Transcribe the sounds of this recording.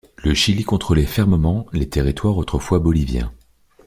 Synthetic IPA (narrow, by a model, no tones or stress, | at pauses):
ləʃilikɔ̃t̪χəlefɛʁməmɑ̃let̪eʁit̪waʁot̪χəfwabɔlivjɛ̰̃